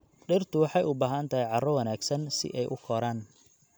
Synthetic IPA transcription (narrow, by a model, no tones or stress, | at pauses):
ɖɪrt̪ʰʊwɑħɑjʊbaːɦɐnt̪ʰɐɦɛjʕɑrɔwɐnaːɡsɐnsɪ̰ʔɛjʔʊkʰɔɾaːn